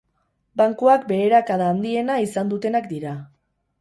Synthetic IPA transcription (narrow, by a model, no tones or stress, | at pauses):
baŋkoakbe̞ːɾakaðaːnd̪ie̞naisand̪ut̪e̞nakd̪iɾa